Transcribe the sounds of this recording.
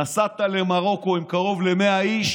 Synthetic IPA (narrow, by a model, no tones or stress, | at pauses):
asat̪alemaʁo̞ko̞imkaʁo̞vlemeaiʃ